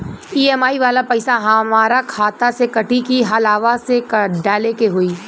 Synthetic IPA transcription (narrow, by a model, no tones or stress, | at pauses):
iːɛmaːiʋaːlapɐɪsaɦɐmaːɾakʰaːt̪asekɐʈikiɦɐlaːʋasekɖaːlekeɦoiː